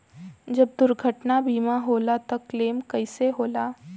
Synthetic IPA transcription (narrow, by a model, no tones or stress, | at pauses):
d͡ʒɐb̚d̪ʊɾɡʱəʈnabiːmaɦoːlat̪ɐkleːmkɐɪseɦoːlaː